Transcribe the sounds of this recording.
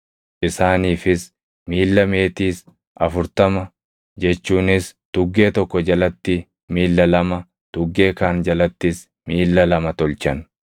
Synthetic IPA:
ʔɪsaːniːfɪs | miːlːɐme̞ːt̪iːs | ʔɐfʊɾt̪ɐmɐ | d͡ʒɛt͡ʃːuːnɪst̪ʊɡːe̞ːt̪ɔkːɔd͡ʒɐlɐt̪ːɪ | miːlːɐlɐmɐ | t̪ʊɡːe̞ːkaːnd͡ʒɐlɐt̪ːɪs | miːlːɐlɐmɐt̪ɔlt͡ʃɐn

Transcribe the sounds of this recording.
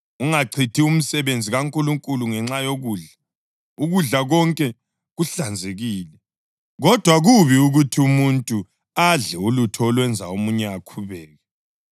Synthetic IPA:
uŋaǀʰitʰium̩sɛβend͡zʱiɣaŋkʼuluŋkʼuluŋɛŋ͡ǁajoɣuːɮa | uɣuɮaɣɔŋkʼɛ | ɣuɬand͡zʱeɣiːlɛ | ɣɔd̥ʱwaɣuβiuɣutʰiumuntʼu | aɮɛulutʰɔɔlwɛnd͡zʱa̰omuɲɛakʰuβɛːɣɛ

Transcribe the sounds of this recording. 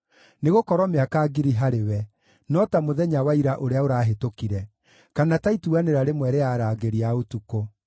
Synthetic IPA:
neɣokɔɾwɔmeakaːɡiɾiɦaɾewɛ | nɔtamoðɛɲawaiɾaʔoɾeaoɾaːɦetokiɾɛ | kanataituɣaneɾaɾemwɛɾeaːɾaːɡeɾiaotuko

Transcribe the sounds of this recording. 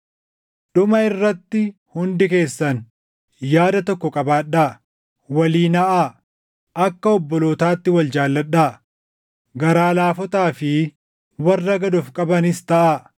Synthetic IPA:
ɗʊmɐɪrːɐt̪ːɪhʊnd̪ɪke̞ːsːɐn | jaːd̪ɐt̪ɔkːɔkʼɐbaːᶑaː | wɐliːnɐʔaː | ʔɐkːɐɔbːɔloːt̪aːt̪ːɪwɐld͡ʒaːlːɐɗːaː | ɡɐɾaːlaːfɔt̪aːfɪ | wɐrːɐɡɐd̪ɔfkʼɐbɐnɪst̪ɐʔa

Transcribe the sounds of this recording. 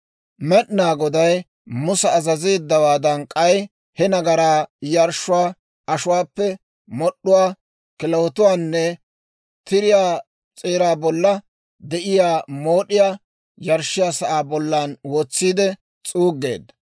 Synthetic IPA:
mɛɗnaːɡɔd̪ɐj | mʊsɛːzɐziːd̪ːɐwaːd̪ɐnkʼɐj | hɛnɐɡɐɾaːjɐɾʃʊwaː | ʔɐʃʊwaːpːɛ | mɔɗːʊwaː | kɪlɐwɔt̪ʊwaːnːɛ | t̪ɪɾɪjaː | t͡sʼeːɾaːbɔlːɐ | d̪ɛʔɪjaːmoːɗɪjaː | jɐɾʃːɪjaːsɐʔaːbɔlːaːnwoːt͡sːiːd̪ɛ | t͡sʼuːɡːe̞̰ːd̪ɐ

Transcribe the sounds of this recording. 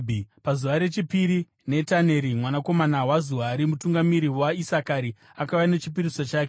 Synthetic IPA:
pazuʋaɾe̞t͡ʃipiɾi | ne̞tane̞ɾimwanako̞manawazuaɾimutuŋɡamiɾiwaisakaɾi | akaʋanet͡ʃip̬irisot͡ʃaːke

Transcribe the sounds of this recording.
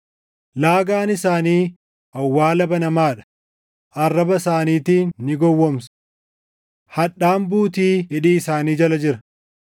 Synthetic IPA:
laːɡaːnɪsaːniː | ʔɐwːaːlɐbɐnɐmaːᶑɐ̥ | ʔɐrːɐbɐsaːniːt̪iːnːɪɡɔwːɔmsɐ̥ | hɐᶑaːmbuːt̪iːɪᶑiːɪsaːniːd͡ʒɐlɐd͡ʒɪɾɐ̥

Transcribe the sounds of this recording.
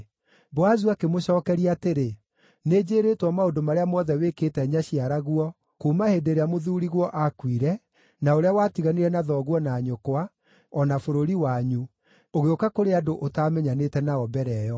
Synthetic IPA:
boazuakemoɕɔːkɛɾiateɾe | ned͡ʑeːɾeːtwɔmaodomaɾeamɔðɛweketɛɲaɕiaɾaɣuɔ | kuːmahedeɾeamoðuːɾiɣwɔʔakwiɾɛ | naoɾeawaːtiɣaniɾɛnaðɔːɣwɔnaːɲokwa | ɔnafoɾoɾiwaɲu | oɣeokakoɾeadoʔotaːmɛɲanetɛnaɔbɛɾɛːjɔ

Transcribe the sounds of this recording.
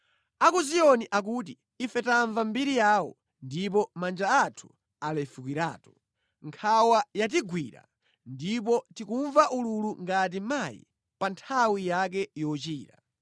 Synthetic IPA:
akuzijɔniʔak̬uːt̬i | ifɛtaɱvambiɾijaːwɔ̰ | ndip̬ɔmand͡ʒaatʰu̥ | alaifukwiɾa̰ːtɔ̥ | ŋkʰawajat̬iɡwḭɾa̰ | ndip̬ɔtikuɱvaʔululuŋɡat̬imajḭ | pantʰawijak̬ɛjɔt͡ʃiːɾa

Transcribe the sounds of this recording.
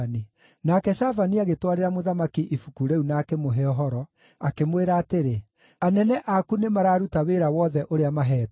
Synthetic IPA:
ni | nakɛʃavaniaɣetwaɾeɾamoðamakiʔifukuɾeunakɛmoɦɛɔɦɔɾɔ | akemweɾaːteɾe | anɛnɛʔakunemaɾaːɾutaweːɾawɔːðɛʔoɾeamaɦɛːt

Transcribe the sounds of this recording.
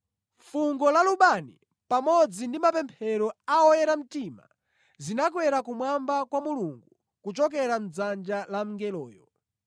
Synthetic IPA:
fuŋɡɔlaluɓani | pamɔd͡zindimapɛmpʰɛɾɔaɔjɛɾam̩tima̰ | zinak̬wɛɾakumwambakwamuluŋɡu | kut͡ʃɔk̬ɛɾam̩d͡zand͡ʒalam̩ŋɡɛlɔːjɔ

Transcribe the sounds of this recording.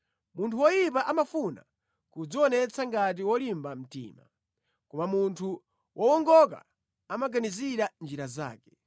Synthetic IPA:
muntʰuwɔjip̬aʔamafuna̰ | kud͡ziwɔnɛt͡sʰaŋɡat̬iwɔlimbam̩tḭːma̰ | kɔmamuntʰu | wʔɔwɔŋɡɔk̬a̰ | amaɡaniziɾand͡ʒiɾaza̰ːkɛ

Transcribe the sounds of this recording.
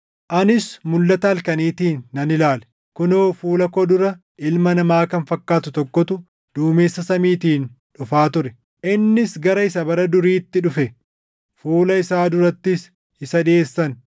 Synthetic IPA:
ʔɐnɪsmʊlːɐt̪ɐɐlkɐniːt̪iːnːɐnɪlaːlɛ̥ | kʊnoːfuːlɐkɔd̪ʊɾɐ | ʔɪlmɐnɐmaːkɐnfɐkːaːt̪ʊt̪ɔkːɔt̪ʊ | d̪̥uːmeːsːɐsɐmiːt̪iːn | ᶑʊfaːt̪ʊɾɛ | ʔɪnːɪsɡɐɾɐɪsɐbɐɾɐd̪ʊɾiːt̪ːɪᶑʊfɛ | fuːlɐɪsaːd̪ʊɾɐt̪ːɪs | ɪsɐᶑ̪ɪeːsːɐn

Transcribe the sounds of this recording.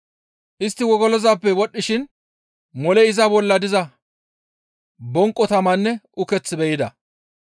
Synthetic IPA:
ʔɪst̪ːɪwɔɡɔlɔzaːpːɛwɔɗːɪʃɪn | mɔlɛɪzɐbɔlːɐd̪ɪzɐ | bɔŋkʼːɔt̪ɐmɐnːɛʊkɛt͡sːɪbɛjɪd̪ɐ

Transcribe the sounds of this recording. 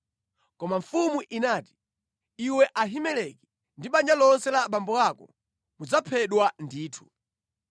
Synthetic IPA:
kɔmaɱfumuʔinaːti̥ | iwɛʔaɦimɛlɛkɛ | ndiɓand͡ʒalɔnsɛlaɓambɔakɔ | mud͡zapʰɛɗwandiːtʰu̥

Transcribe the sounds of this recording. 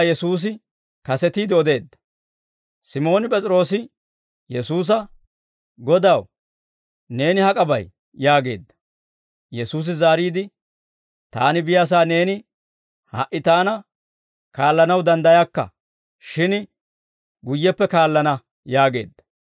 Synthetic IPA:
jɛsuːs̬ɪ | kɐsɛt̪iːd̪ɪɔd̪e̞ːd̪ːɐ̥ | sɪmo̞ːnɪpʼɛt͡sʼɪɾo̞ːsɪ | jɛsuːs̬ɐ | ɡɔd̪ɐw | ne̞ːnɪhɐkʼɐbɐ̰j | jaːɡe̞ːd̪ːɐ̥ | jɛsuːs̬ɪzaːɾiːd̪ɪ | t̪a̰ːnɪbɪjas̬aːne̞ːnɪ | hɐ̰ʔːɪt̪aːnɐ | kaːlːɐnɐwd̪ɐnd̪ɐjakːɐ̰ | ʃɪn | ɡʊjːɛpːɛkaːlːɐnɐ | jaːɡe̞ːd̪ːɐ̥

